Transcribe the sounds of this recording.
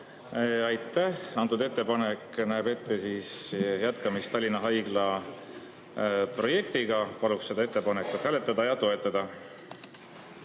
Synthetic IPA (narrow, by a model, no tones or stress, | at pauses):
ɑjt̪ːæhɑnt̪ːˑud̪e̞t̪ˑːe̞pɑnekːnæːbe̞t̪ːe̞siːsjæt̪kɑmist̪ɑlʲːinɑɦɑjɡ̥lɑ | pro̞je̞kt̪iɡ̥ɑpɑlukse̞d̪ɑe̞t̪ˑːe̞pɑnekːˑut̪ːhæːlet̪ˑːɑd̪̥ɑjɑt̪o̞e̞t̪ːˑɑd̪̥ɑ